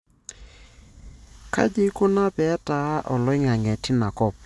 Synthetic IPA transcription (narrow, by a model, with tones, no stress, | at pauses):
kʰa̰˦d͡ʒɪ˦kʊ˦na˦pɛ˨˦ta˨˦ʔɔ˨lɔ˦ɪ˦ŋa˨ŋɛ˨tʰɪ˦na˨kɔ˨p̚